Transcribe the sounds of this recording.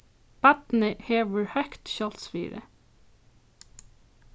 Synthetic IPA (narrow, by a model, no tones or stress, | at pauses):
b̥æt̪n̩ɪheːʋəɹhœkt̪ʃɔlt̪sfḭːɾə̰